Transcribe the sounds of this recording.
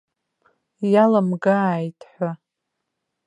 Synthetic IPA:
jalamɡaːjtʰʼħʷa

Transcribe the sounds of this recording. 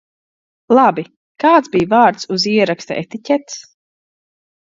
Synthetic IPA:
lˠabi | kaːt̪bijvaːɾt̪suziɛɾakst̪a̰ʔḛt̪icʲɛt̪s

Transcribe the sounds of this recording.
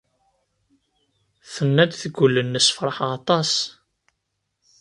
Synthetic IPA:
θənːæd̪θəɡʷulːənːəsfɾˤɑħɑt̪ˤɑs

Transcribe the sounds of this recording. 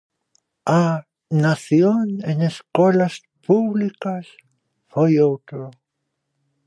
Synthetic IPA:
a | naθjoneneskelas | puβlikas | fojowt̪ɾo

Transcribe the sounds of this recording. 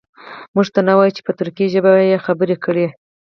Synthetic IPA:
muʐt̪anawɑjut͡ʃe̥pət̪ʊɾkiiʒəbajexabəɾekəɽe

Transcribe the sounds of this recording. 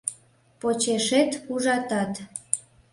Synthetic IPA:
pot͡ɕeʃet̪uʒɑt̪ɑt̪

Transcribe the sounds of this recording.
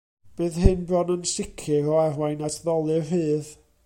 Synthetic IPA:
b̥ɨːðɦɨnbrɔnənsɪkʰɨɾɔarwajnatʰðɔlˠɨrɦɨːð

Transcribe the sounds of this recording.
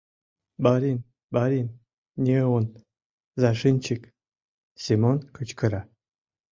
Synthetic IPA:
baɾin | baɾin | nʲiwon | zaʂɨnʲt͡ʃʰik | sʲimonkʰɨt͡ʃkʰɨɾa

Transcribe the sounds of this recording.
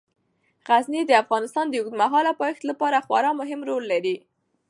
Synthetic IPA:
ɣaznid̪əafɣɑnɪst̪ɑnd̪əuɡd̪maɦɑlapɑxt̪lapɑɾaxwa̰ɾɑmʊɦɪmɾolːaɾi

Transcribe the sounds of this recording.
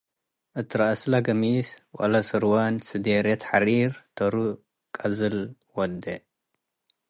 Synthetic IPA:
ʔɨt̪ʰɨɾaʔslaɡɐmiswʼɐ̰lɐsɨɾwansɨd̪eɾet̪ʰħaɾiɾt̪ʰɐɾu | kʼɐzɨl | wɔd̪e

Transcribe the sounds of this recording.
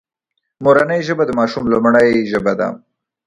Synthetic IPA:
moɾanajʒəbad̪əmɑʃumlamaɳajʒəbad̪a̰

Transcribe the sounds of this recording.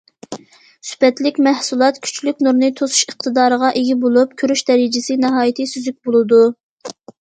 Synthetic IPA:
sy̥pɛt̪lɪkʲmæhsulˠɑt̪kʲʰy̥t͡ʃʰlykʲnuɾnɨt̪ʰosu̥ʃəχ̚t̪ʰɨd̪ɑːɾəʁɑʔeɡʲibolˠup̚kʲʰøɾyʃd̪ɛɾid͡ʒɪsɪnɨɦɑːjit̪ʰɨsyzyk̚ʲbolˠɨd̪u

